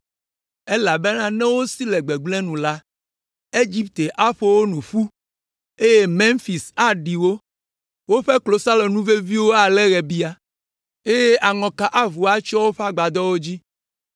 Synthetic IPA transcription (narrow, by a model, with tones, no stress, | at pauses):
e˦la˨be˦nã˦nɛ̃˦wo˦si˦lɛ˨ɡ͡be˨ɡ͡blɛ̃˦nũ˨la˦ | e˦d͡ʑi˦p̚t̪e˨ʔa˦ɸo˦wo˦nũ˨ɸu˦ | e˦je˦mẽ˦ŋfi˨sa˦ɖi˨wo˦ | wo˦ɸɛ˦klo˨sa˦lo˨nũ˦ve˦vi˦wo˦a˨lɛ˦ɣɛ˨bi˦a˦ | e˦je˦ʔa˨ŋɔ̃˨ka˨ʔa˦vu˨a˦t͡ʃɔ˦wo˦ɸa˦ɡ͡ba˨d̪ɔ˦wo˦d͡ʑi˦